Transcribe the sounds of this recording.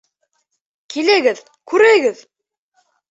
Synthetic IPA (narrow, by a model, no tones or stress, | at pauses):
kʰilæɡɘð | kʉɾæjɡɘð